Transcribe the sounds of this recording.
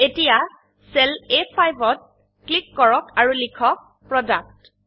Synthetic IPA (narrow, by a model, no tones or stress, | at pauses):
etija | sɛlepʰajbɔt̚ | klikːɔɹɔkaɹulikʰɔk̚ | pɹɔdak̚t